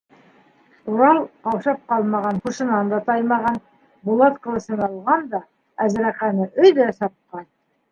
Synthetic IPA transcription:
t̪uɾɑlˠqɑwʃɑp̚qɑlˠmɑʁɑnχuʃɤ̆nɑnd̪ɑt̪ɑjmɑʁɑn | bulˠɑt̪qɤ̆lˠɤ̆sɤ̆nɑlˠʁɑnd̪ɑ | æzɾæqænɘʔɵ̆jðæsɑp̚qɑn

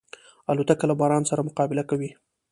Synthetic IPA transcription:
alot̪akalabɑɾɑnsaɾamʊqɑbɪlakawi

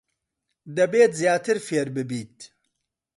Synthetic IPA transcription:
d̪ɐbeːt̪zjaːt̪ɨɾfeːɾbɨbiːt̪̚

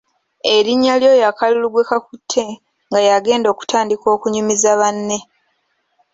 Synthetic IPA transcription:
e̞ɾiɲːaljo̞ːjakaluluɡwekakutʰːe̞ | ŋɡajaɡe̞ːndo̞ːku̥tʰaːndiko̞ːkuɲimizaβanːe̞

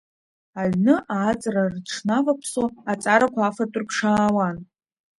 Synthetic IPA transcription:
aɥnɨʔaːt͡sʼrarʈ͡ʂʰnavapʰsoat͡sʼaɾakʷaafatʼʊrkʰʂaːwan

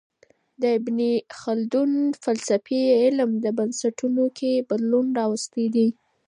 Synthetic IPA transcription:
d̪əɪbnixald̪unfalsafeɪlmd̪əbansaʈunokʰebad̪lunɾɑwast̪ed̪i

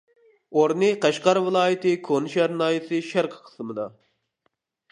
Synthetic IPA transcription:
oɾnɨqʰæʃqɑɾvɨlˠɑːjɪt̪ʰɨkʰonɨʃæɾnɑːjɨsɨʃæɾqʰə̥qʰə̥smɨd̪ɑ

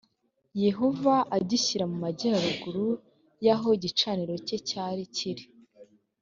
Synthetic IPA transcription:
je̞ɦo̞vaʔaɟiɕiɾamumaɟiaɾuɡuɾu | jaɦo̞iɟit͡ʃaniɾo̞cecaːɾiciɾi

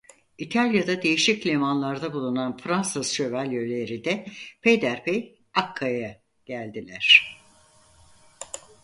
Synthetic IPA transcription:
it̪ʰalʲjad̪ad̪e̞jiʃiclʲemanlˠaɾd̪abulˠunanfɾansɯsʃøvælʲjølʲeɾid̪ɛpʰejd̪æɾpʰej | akʰːaja | ɟ̥ælʲd̪ilʲæɾ̝̥

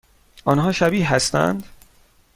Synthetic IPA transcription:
ʔɒːnɦɒːʃæbiːɦæst̪æ̰nd̪

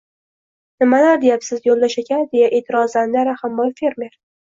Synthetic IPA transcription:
nɪmalaɾd̪e̞japsɪzjolːaʃekʲʰand̪e̞jaʔeːt̪ʰɪɾɒzand̪aɾahamːɒjfe̞ɾme̞ɾ

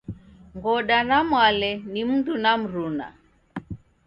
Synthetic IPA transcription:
ŋɡɔɗanamwalɛnim̩ndunam̩ɾuna̰

